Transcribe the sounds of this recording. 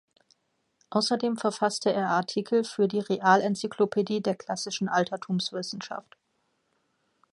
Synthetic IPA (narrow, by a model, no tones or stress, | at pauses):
ʔaʊsɐdeːmfɛɐfastʰəeːɐʔaɐtʰiːkʰl̩fyːɐdiːʁeʔaːlɛnt͡sikʰlopʰediːdeːɐkl̥asɪʃn̩ʔaltʰɐtʰuːmsv̥ɪsn̩ʃa̰ft